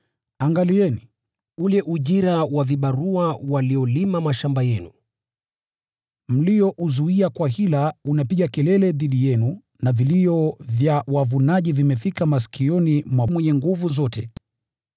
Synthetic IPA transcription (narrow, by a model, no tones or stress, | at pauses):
aŋɡaliɛni | ulɛʔuʄiɾawaviɓaɾuawaliɔlimamaʃambajɛnu | m̩lijɔʔuzuiakwaɦilaunapiɠakɛlɛlɛðiɗijɛnu | naviliɔvjawavunaʄivimɛfikamas̬kiɔnimwamwɛɲɛŋɡuvuzɔtɛ